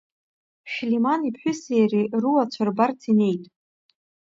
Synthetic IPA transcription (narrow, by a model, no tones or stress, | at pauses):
ʃᶣlimanipʰħʷᶣʏsejriruwat͡ɕʷʰarbart͡sʰine̞jtʼ